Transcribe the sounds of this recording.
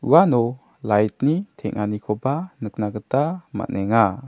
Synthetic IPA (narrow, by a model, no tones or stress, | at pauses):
uwanɔ | lajt̚nitʰɛŋ̚nanikʰɔbanɯk̚naɡətama̰nɛŋa